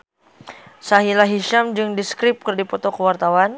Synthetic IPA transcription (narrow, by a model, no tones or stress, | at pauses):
saɦilaɦiʃamd͡ʒɨŋdiskɾɪp̚kɨrdipɔt̪ɔkəwart̪awan